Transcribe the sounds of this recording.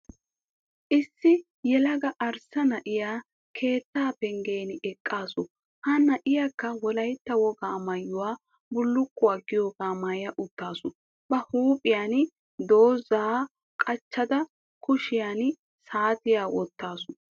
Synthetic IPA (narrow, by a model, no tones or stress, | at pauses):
ʔɪsːɪ | jɛlɐɡɐʔɐɾsɐnɐʔɪjaː | kʰe̞ːt̪ːaːpɛŋɡe̞ːnɪɛkʼːaːsʊ | hɐnːɐʔɪjakːɐwɔlɐjt̪ːɐwɔɡaːmɐjːʊwaː | bʊlːʊkːʊwaːɡɪjoːɡaːmajɐʔʊt̪ːaːsʊ | b̥ɐhuːpʼɪjaːn | d̪oːzaː | kʼɐt͡ʃːɐd̪ɐ | kʰʊʃɪjan | saːt̪ɪjaːwɔt̪ːaːsʊ̥